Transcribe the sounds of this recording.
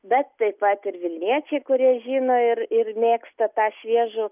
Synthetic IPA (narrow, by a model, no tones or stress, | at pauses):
bʲɛt̪tɐɪpɐt̪ɪɾʋʲɪlʲnʲiɛt͡ʃʲɛɪkʊɾʲiɛʒʲiːnoːɪrɪrmʲeːkst̪ɐt̪ɑːʃʲʋʲiɛʒʊ